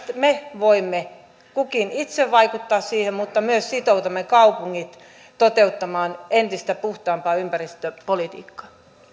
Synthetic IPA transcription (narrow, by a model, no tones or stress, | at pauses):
meʋoimːe | kukinit̪seʋʋɑikut̪ːɑːssiːhemmut̪ːɑmyøssit̪out̪ɑmːekɑupuŋːit̪ | t̪ot̪eut̪ːɑmɑːnent̪ist̪æpuht̪ɑːmpɑːympærist̪øpolit̪ḭːkːɑ̥